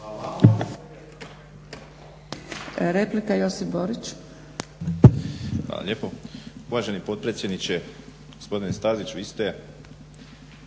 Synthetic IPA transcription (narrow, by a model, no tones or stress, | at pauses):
ɾeplikajo̞sipboɾit͡ʃ | a̰lˠa̰ʎjepo̞uʋaːʒe̞nipo̞t̪̚pɾet̪sjed̪nit͡ʃe | ɡ̥ospo̞d̪inest̪aːzit͡ʃʋiːst̪e